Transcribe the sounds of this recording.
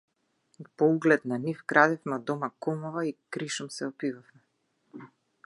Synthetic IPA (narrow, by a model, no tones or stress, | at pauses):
pɔuɡlɛt̪nanifɡɾad̪ɛfmɛɔd̪ɔmakɔmɔvaikɾiʃɔmsɛɔpivafmɛ